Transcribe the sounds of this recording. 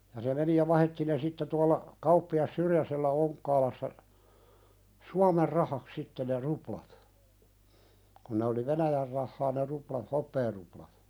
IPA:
jɑ se meni jɑ ʋɑhetːi ne sitːe tuɑlːɑ kɑupːiɑs syrjæselːæ oŋkːɑːlɑsːɑ suɑmer rɑhɑk sitːe ne ruplɑt kun̆ ne oli ʋenæjær rɑhːɑː ne ruplɑ hopːeːruplɑt

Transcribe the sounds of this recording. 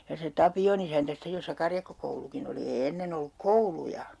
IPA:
jɑ se tɑpion isæntæ sitːej josːɑ kɑrjɑkːokoulukin oli eː enːen olːuk koulujɑ

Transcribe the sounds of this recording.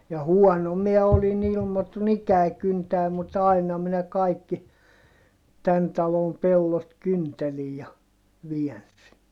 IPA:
jɑ huɔno miɛ olin ilmotun ikæi kyntæː mut ɑinɑ minæ kɑikːi tæn tɑlom pelːot kyntelij jɑ ʋiɛnsi

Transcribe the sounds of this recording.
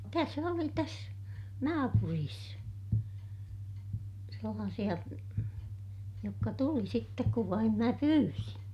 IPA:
tæs oli tæs nɑːpuriːs selːɑːsij̆ɑ jokːɑ tuli sitːek kuʋ ʋɑim mæ pyːrin

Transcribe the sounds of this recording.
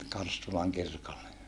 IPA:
kɑrstulɑŋ kirkolːe

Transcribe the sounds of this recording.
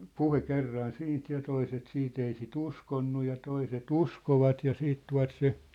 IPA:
puhe kerːɑn siːnt jɑ toiset siːt ei sit uskonːu jɑ toiset uskoʋɑt jɑ siːt tuɑ̝t se

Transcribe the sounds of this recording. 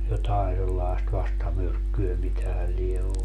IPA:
jotɑen selːɑest ʋɑstɑmyrkːyø mitæhæ lie olːu

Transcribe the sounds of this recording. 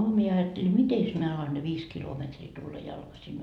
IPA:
mie ɑjɑtːeli mites mie ɑlɑn ne ʋiːs kilometriː tulːɑ jɑlkɑsin

